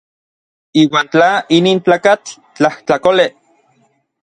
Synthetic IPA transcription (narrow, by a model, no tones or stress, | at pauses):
iːwaːnt͡ɬainiːnt͡ɬaːkat͡ɬ | t͡ɬaht͡ɬakole